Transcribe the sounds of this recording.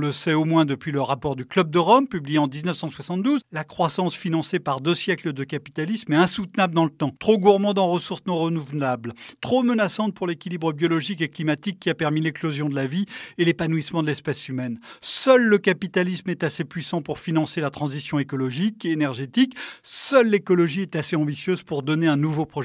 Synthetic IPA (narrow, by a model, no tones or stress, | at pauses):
ləsɛomwɛ̃d̪əpɥiləʁapɔʁd̪yklœb̚d̪əʁɔmpyblijeɑ̃d̪iznəfsɑ̃swasɑ̃t̪d̪uzlakχwasɑ̃sfinɑ̃sepaʁd̪øsjɛkləd̪əkapi̥t̪alismɛɛ̃sut̪nabləd̪ɑ̃lət̪ɑ̃t̪χoɡuʁmɑ̃d̪ɑ̃ʁəsuʁsnɔ̃ʁənuvlablt̪χomənasɑ̃t̪̚puʁlekʲilibʁəbjɔlɔʒikeklimat̪ikʲːiapɛʁmilɛklozjɔ̃d̪əlavielepanuismɑ̃d̪əlɛspɛsymɛnsœlːəkapit̪alismɛt̪asepɥisɑ̃puʁfinɑ̃selat̪χɑ̃zisjɔ̃ekɔlɔʒikeːnɛʁʒet̪iksœlːekɔlɔʒiɛt̪aseɑ̃bisjøz̥puʁd̪ɔneɛ̃nuvopχɔʒ